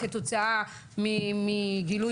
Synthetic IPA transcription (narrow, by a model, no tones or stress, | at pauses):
ket̪ot͡saa | mimiɡilu